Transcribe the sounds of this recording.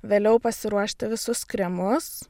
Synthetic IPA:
ʋʲeːlʲɛʊpɐsʲɪɾuɔʃʲt̪ʲɪʋʲɪsʊskɾʲɛmʊs

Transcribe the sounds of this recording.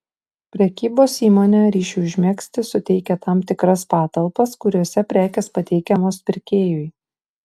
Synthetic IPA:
pʲɾʲɛkʲiːboːsiːmoːnʲɛɾʲiːʃʲuɪʒʲmʲɛksʲt̪ʲɪsʊt̪ʲɛɪkʲɛt̪ɑmt̪ʲɪkɾɐspɑːt̪ɐlˠpɐskʊɾʲuɔsʲɛpʲɾʲæːkʲɛspɐt̪ʲɛɪkʲɛmoːspʲɪɾʲkʲeːjʊɪ

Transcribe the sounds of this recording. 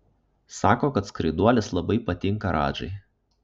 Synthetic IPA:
sɑːkoːkɐt̪skɾɐɪd̪uɔlʲɛslˠɐbɐɪpɐt̪ʲɪŋkɐɾʔɑ̰ːd͡ʒɐ̰ɪ

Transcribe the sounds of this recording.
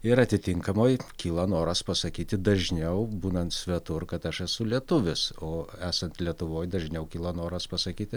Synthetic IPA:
ɪɾɐt̪ʲɪt̪ʲɪŋkɐmoːjkʲiːlˠɐnoːɾɐspɐsɐkʲiːt̪ʲɪd̪ɐʒʲnʲɛʊbuːnɐnt̪sʲʋʲɛt̪ʊrkɐt̪ɐʃɛsʊlʲiɛt̪ʊʋʲɪsoːæːsɐnt̪lʲiɛt̪ʊʋoːjd̪ɐʒʲnʲɛʊkʲiːlˠɐnoːɾɐspɐsɐkʲiːt̪ʲɪ

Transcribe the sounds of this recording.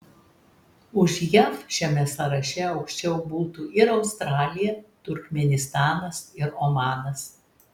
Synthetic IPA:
ʊʃjɛfʃʲɛmʲɛsɐɾɐʃʲɛɒʊkʃʲt͡ʃʲɛʊbuːt̪uːʔɪɾɒʊst̪ɾɑːlʲɪjɛt̪ʊɾʲkmʲɛnʲɪst̪ɑːnɐsɪɾomɑːnɐs

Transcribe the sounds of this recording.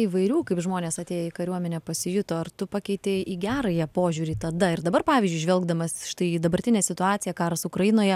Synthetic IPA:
iːʋɐɪɾʲuːkɐɪpʒmoːnʲeːsɐt̪ʲeːjɛɪkɐɾʲuɔmʲɛnʲɛpɐsʲɪjʊt̪oːɐrt̪ʊpɑkʲɛɪt̪ʲeːiɡʲæːɾɐjɛpoːʒʲuːɾʲiːt̪ɐd̪ɐɪrd̪ɐbɐrpɑːʋʲiːzʲd͡ʒʊɪʒʋʲɛlˠɡd̪ɐmɐsʃɪ̥t̪ɐɪd̪ɐbɐɾʲt̪ʲɪnʲeːsʲɪt̪ʊɑːt̪sʲɪjɛkɑːɾɐsʊkɾɐjɪnoːjɛ

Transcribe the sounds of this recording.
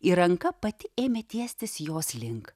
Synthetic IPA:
iɾɐŋkɐpɐt̪ʲɪeːmʲet̪ʲiɛsʲt̪ʲɪsjoːslʲɪŋk

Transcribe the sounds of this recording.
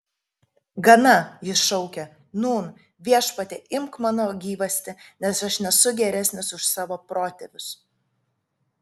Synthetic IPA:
ɡɐnɐjɪsʃɔʊkʲɛ | nuːn | ʋʲiɛʃpɐt̪ʲeʔɪmkmɑːnoːɡʲiːʋɐsʲt̪ʲɪnʲɛsɐʃnʲɛsʊɡʲɛɾʲɛsʲnʲɪsʊʃsɑːʋoːpɾoːt̪ʲɛʋʲʊs

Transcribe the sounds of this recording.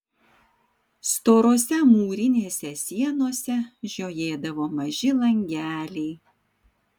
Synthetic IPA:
st̪oːɾoːsʲɛmuːɾʲɪnʲeːsʲɛsʲiɛnoɔsʲɛʒʲoːjeːd̪ɐʋoːmɐʒʲɪlˠɐŋʲɡʲæːlʲɛɪ

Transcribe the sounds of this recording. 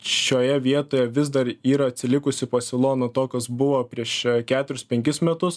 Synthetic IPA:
ʃʲoːjɛʋʲiɛt̪oːjɛʋʲɪzd̪ɐɾiːɾɐːt̪ʲsʲɪlʲɪkʊsʲɪpɐsʲɪlˠoːnɐt̪oːkɐsbʊʋopʲɾʲiɛʃkʲæːt̪ʊɾʲʊspʲɛŋʲkʲɪsmʲɛt̪ʊs

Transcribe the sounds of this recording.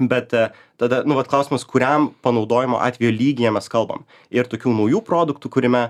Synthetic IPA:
bʲɛt̪ | t̪ɐd̪ɐnʊʋɐt̪klˠɐˑʊsʲɪmɐskʊɾʲɛmpɐnɒʊd̪oːjɪmo̰ʔɑ̰ːt̪ʲʋʲɛjoːlʲiːɡʲɪjɛmʲɛskɐlˠbɐ̰m | ɪɾt̪oːkʲuːnɐʊjuːpɾoːd̪ʊkt̪uːkʊɾʲɪmʲɛ

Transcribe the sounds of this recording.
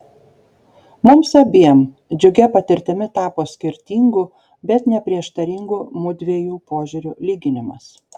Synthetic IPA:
mʊmsɐbʲiɛm | d͡ʒʲʊɡʲɛpɐt̪ʲɪɾʲt̪ʲɪmʲɪt̪ɑːpoːsʲkʲɪɾʲt̪ʲiːŋɡu | bʲɛt̪nʲɛpʲɾʲiɛʃt̪ɐɾʲɪŋɡumʊd̪ʲʋʲeːjuːpoːʒʲʊɾʲulʲiːɡʲɪnʲɪmɐ̰s

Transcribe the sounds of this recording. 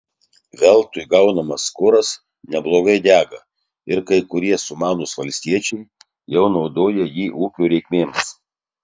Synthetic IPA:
ʋʲɛlˠt̪ʊjɡɐʊnɐmɐskʊɾɐs | nʲɛblˠoːɡɐɪd̪ʲæːɡɐ | ɪɾkɐɪkʊɾʲiɛsʊmɑːnʊsʋɐlʲsʲt̪ʲiɛt͡ʃʲɛɪ | jɛʊnɐʊd̪oːjɛjiːʔuːkʲuːɾʲɛɪkmʲeːms

